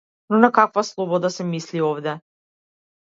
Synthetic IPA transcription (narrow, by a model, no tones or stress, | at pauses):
nonakakvaslˠɔbɔd̪asɛmisliovd̪ɛ